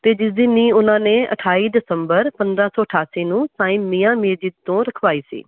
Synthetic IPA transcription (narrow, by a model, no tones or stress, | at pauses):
t̪eːd͡ʒɪsd̪iːniːʊnãːneːʔə̰ʈʰaːiːd̪ɪsəmbəɾpənd̪ɾãːsɔːəʈʰaːsiːnũːsãːĩːmiːãːmeːd͡ʒiːt̪õːɾəkʰʋaːiːsḭː